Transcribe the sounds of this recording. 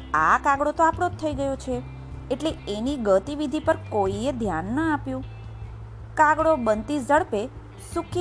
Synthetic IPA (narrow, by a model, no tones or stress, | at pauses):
a̰kaɡɽot̪oapɽot̪ʰːəiɡəjot͡ʃʰe | eʈleeniɡət̪iʋid̪ʱipəɾkoied̪ʱjanːəapjũ | kaɡɽobənt̪id͡ʒəɽpe | sukʰ